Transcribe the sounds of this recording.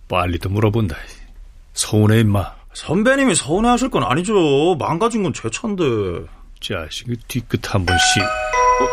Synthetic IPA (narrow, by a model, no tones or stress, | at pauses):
palːidomuɾʌbonda | sʰʌuneimːa | sʰʌmbeɲimisʰʌuneaɕʰiɭk͈ʌna̰ɲid͡ʑomaŋɡad͡ʑinɡʌnt͡ɕwe̞t͡ɕʰʌndɯt͡ɕia̰ɕʰiɡɯtik͈ɯtʰambunɕi